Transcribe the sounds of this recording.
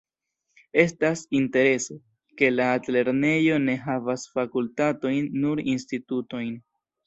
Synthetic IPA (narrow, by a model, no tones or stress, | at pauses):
e̞stasinte̞ɾe̞so | ke̞laːtle̞ɾne̞jo̞ne̞ɦavasfakultato̞jnːuɾinstituto̞jn